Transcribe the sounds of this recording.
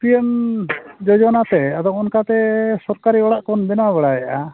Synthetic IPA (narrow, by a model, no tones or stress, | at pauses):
piɛm | d͡ʒɔd͡ʒɔnat̪ɛad̪ɔŋɔnkat̪ɛsɔɾkaɾiɔɽaʔkɔnb̪ɛnwaβɛɽajɛʔa